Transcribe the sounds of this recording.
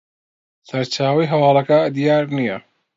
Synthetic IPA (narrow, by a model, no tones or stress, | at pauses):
sɐɾt͡ʃʰaːwɐjɦɐwaːlˠɐkɐd̪jaːɾnijɐ